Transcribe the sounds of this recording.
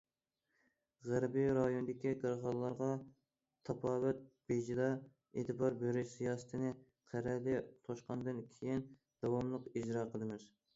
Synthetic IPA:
ʁæɾbiɾɑjond̪ɪkʲiɡəɾʁɑlˠːɑɾʁɑ | t̪ʰɑpʰɑːwɛt̪̚bed͡ʒid̪ɑ | et̪ʰɨbɑɾbøɾyʃsijɑːsɨ̥t̪ʰɨnɨ | qʰæɾɛlɪt̪ʰoʃqɑnd̪ɨnkʲʰejin | d̪̥ɑwɑmlˠəqid͡ʒɾɑqʰəlˠɨmɪz̥

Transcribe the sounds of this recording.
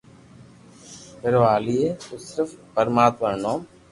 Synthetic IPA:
pɪɾoːaːliːeːt̪oːsɪɾəfpəɾmaːt̪məɾnoːm

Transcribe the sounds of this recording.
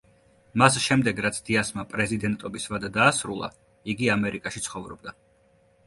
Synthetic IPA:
masʃɛmd̪ɛɡɾat̪sʰd̪̥iasmapʼɾɛzid̪ɛnt̪ʼɔbisvad̪ad̪aːsɾulˠa̰ | iɡiamɛɾikʼaʃit̪sʰχɔvɾɔbd̪a

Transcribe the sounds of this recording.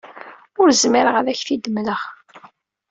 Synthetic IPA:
ʊɾzmiɾəʁəðæçθid̪mləʁ

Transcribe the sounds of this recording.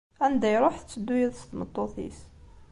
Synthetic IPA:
ænd̪æjɾˤoħθət͡sːəd̪ːujæðəst̪əmət̪ˤːoθḭs

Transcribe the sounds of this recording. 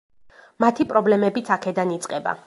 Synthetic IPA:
mat̪ʰipʼɾɔblɛmɛbit̪sʰakʰɛd̪anit̪sʼqʼɛba̰

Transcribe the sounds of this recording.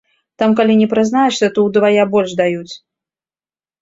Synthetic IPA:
t̪amkalʲinʲɛpɾɨznajɛʂsʲɐt̪ɔwd̪vajabɔlʲʂd̪ajut͡sʲ

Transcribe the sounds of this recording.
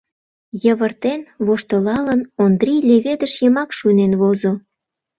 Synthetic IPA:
jəβərt̪enβoʃt̪əlɑlənond̪rʲilʲeβed̪əʃjəmɑkʃunenβozo

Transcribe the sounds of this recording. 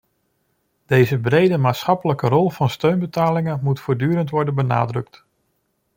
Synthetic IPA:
d̥ejzəbrejdəmaːtsχɑpələkərɔlˠvɑnstøɥnbətaːlɪŋənmutfoːɹdyːɾəntʋɔɹdənbəna̰ːdrɵkt

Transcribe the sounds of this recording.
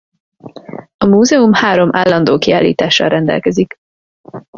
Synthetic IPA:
ɒmuːzɛumhaːɾo̞mʔaːlːɒnd̪oːkiaːlːḭːt̪aːʃːɒ̰lrʔɛnd̪ɛ̰lkɛzik

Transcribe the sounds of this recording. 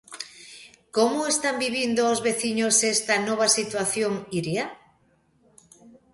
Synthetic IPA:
komoest̪ambiβind̪oozβeθiɲosest̪anɔβ̞asit̪waθjoŋiɾja

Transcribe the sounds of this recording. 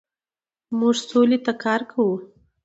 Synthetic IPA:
muʐsolet̪akɑɾkʰawu

